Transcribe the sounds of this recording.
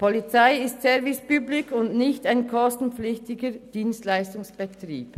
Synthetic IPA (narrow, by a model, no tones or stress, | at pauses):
pʰɔlit͡saɪɪstsɛvɪspyːblɪkʊndnɪçtaɪnkʰɔstn̩pflɪçtɪɡəd̥iːnstlaɪstʊŋsb̥ɛtrḭːp